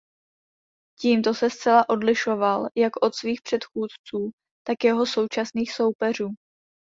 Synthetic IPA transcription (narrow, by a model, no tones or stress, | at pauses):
ciːmt̪o̞sɛst͡sɛlaʔo̞dlɪʃo̞valjakʔo̞t̪sviːxpr̝̥ɛt̪xuːt̪t͡suː | t̪akjɛɦo̞so̞wt͡ʃasniːxso̞wpɛr̝uː